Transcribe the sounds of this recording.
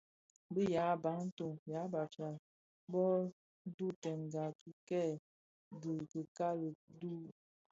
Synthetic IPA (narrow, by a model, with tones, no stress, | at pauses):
bə˦ja˨˦˨ba˨˦ŋn̩˦to˨ŋja˨˦ba˨t͡ʃa˨ | bɔ˦ | du˦tɛ˨nɡa˨tu˦kɛ˦˨ | ɡə˨kə˨ka˦lə˨du˦